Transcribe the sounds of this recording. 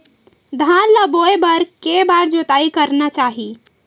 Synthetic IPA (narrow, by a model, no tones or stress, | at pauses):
d̪ʱanləboebəɾkebaɾd͡ʒot̪aikəɾnat͡ʃaɦi